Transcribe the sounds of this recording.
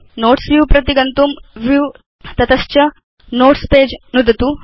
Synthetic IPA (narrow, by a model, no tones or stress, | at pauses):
noːʈsʋjuːpɾɐt̪iɡɐnt̪umʋjuː | t̪ɐt̪ɐʃt͡ʃɐ | noːʈspeːd͡ʒnud̪ʱɐt̪u